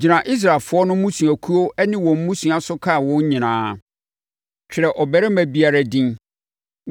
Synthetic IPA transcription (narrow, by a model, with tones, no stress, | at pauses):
d͡ʑi˨nã˨ʔi˦s̬ɾa˨lfʊ˨˦ɔ˦nʊ̃˦mũ˦sũ˨æ˨kʰu˦o˦ɛ˦nɪ̃˦wɔ̃˨m˦mũ˦sũ˨a˨sʊ˦kʰa˦˨wɔ̃˦ɲ˦ɲĩ˨nãː˨˦ | t͡ɕᶣʰɪ˨ɾɛ˨ʔɔ˨bɛ˦ɾɛ˦mæ̃˨bi˦a˨ɾa˦dĩ˦n